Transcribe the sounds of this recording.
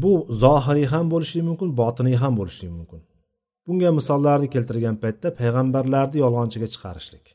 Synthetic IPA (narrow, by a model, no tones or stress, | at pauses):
bʊzɒɦɪɾɪɦambolˠɪʃlɪmʊmkʲɪnbɒt̪ʰɨnɪɦambolˠɪʃlɪkʲmʊmkʲʰɪn | b̥ʊŋɡʲamɪsɒlˠːaɾd̪ɪkʲelʲt̪ɪɾɡʲanpajt̪ːapʰajʁambaɾlaɾd̪ɪjɒlˠʁɑnt͡ʃʰɪɡʲat͡ʃʰɨ̥qʰɑ̰ɾɪʃlɪkʲ